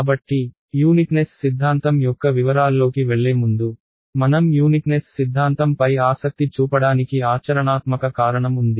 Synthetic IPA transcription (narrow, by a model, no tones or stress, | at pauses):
bɐʈːi | juːniʈnessid̪ʱːaːnt̪ɐmjɔkːɐʋiʋɐɾaːlːo̞ːkiʋeɭːe̞ːmund̪u | mɐnɐmjuːniknessid̪ʱːaːnt̪ɐmpɐjaːsɐk̚t̪it͡ʃuːpɐɽaːnikiaːt͡ʃɐɾɐɳaːt̪mɐkɐkaːɾɐɳɐmund̪i